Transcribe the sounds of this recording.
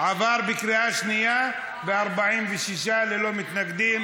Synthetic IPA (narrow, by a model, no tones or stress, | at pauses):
ʕavaɾbikɾiaʃnija | beaɾbaʕimveʃiʃ̬alelo̞mit̪naɡd̪im